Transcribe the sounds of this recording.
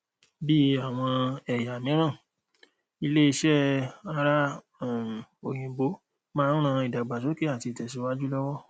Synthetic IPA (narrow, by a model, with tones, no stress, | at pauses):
bi˦a˨w̃ɔ̃˧ɛ˨ja˨mĩ˨˦ɾ̃ã˦˨ | i˧le˦i˧ʃɛ˦a˧ɾa˦˨ | o˨j̃ĩ˨bo˨˦ | mãː˦ũ˦ɾ̃ã˧i˨da˨ɡ͡ba˨to˨˦ke˦a˦˨ti˧i˨tɛ˨si˨˦wa˦d͡ʒu˦lɔ˦wɔ˦˨